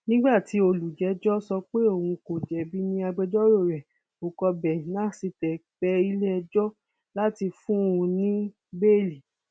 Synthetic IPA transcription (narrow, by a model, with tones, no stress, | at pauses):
nĩ˦ɡ͡ba˦˨ti˨˦o˧lu˨d͡ʒɛ˨˦d͡ʒɔ˦sɔ˧k͡pe˦o˦˨wũ˧ko˨d͡ʒɛ˨˦bi˦nĩ˦a˧ɡ͡bɛ˧d͡ʒɔ˦ɾo˦˨ɾɛ˨ | o˨kɔ˧bɛ˨nã˦˨si˧tɛ˨k͡pɛ˦i˦lɛ˦˧d͡ʒɔ˦ | la˦ti˧fũ˦˨ũ˧nĩ˦ | be˦˨li˨